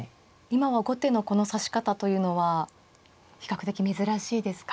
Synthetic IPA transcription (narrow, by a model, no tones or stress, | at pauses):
imaβaɡo̞t̪e̞no̞ko̞no̞saɕi̥kat̪at̪o̞jɯ̟ːno̞βa | çʲi̥kakɯ̟t̪e̞kʲime̞zɨɾaɕiːd̪e̞sɨ̥k